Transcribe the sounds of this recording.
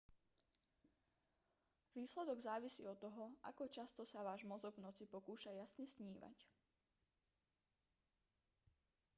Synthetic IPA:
ʋiːslɛd̪ɔɡzaːʋisḭːɔt̪ːɔɦɔʔa̰kɔt͡ʃast̪ɔsaʋaːʒmɔzɔɡvnɔt͡sipɔkuːʃajasɲɛsɲiːʋa̰c

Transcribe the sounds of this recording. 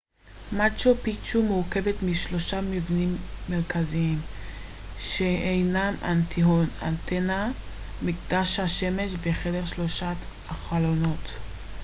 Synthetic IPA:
mat͡ʃopit͡ʃumuʁke̞vet̪miʃlo̞ʃamivnimːeʁkaziim | ʃeejnamʔa̰nt̪ʰiona̰nt̪ena | mikd̪aʃhaʃemeʃveχedeʁʃlo̞ʃa | aχalo̞not

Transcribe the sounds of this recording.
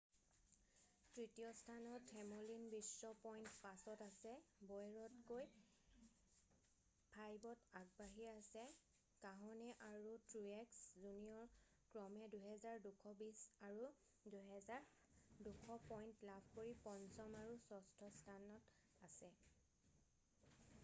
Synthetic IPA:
tɹitijɔstʰanɔtʰɛmolinbisːɔpɔjntpasɔtasɛbɔjɹɔtkoj | pʰajbɔtaɡ̚baɦiasɛ | kaɦɔnɛʔaɹutɹuɛkszunijɔ | kɹɔmɛduɦɛzaɹdukʰɔbisaɹu | duɦɛzaɹ | dukʰɔpɔjntlabʰʱkoɹipɔnzɔmaɹusɔstʰɔstʰanɔt | asɛ

